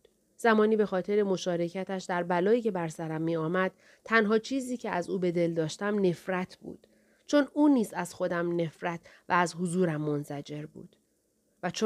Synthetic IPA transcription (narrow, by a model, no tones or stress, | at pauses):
z̥æmɒːniːbe̞xɒːt̪ʰe̞ɾe̞mo̞ʃɒːɾe̞cʰæt̪æʃd̪æɾbælɒːiːcʰe̞bæɾsæɾæmːiːɒːmæd̪̥̚ | t̪ʰænɦɒːt͡ʃʰiːziːcʰe̞æzuːbe̞d̪e̞ld̪ɒːʃt̪æmne̞fɾæt̪ʰb̥ṵːd̪̥ | t͡ʃʰo̞nuːniːzæz̥xo̞d̪æmne̞fɾæt̪ʰvææzɦozuːɾæmːo̞nzæd͡ʒe̞ɾbṵːd̪̥ | væt͡ʃʰ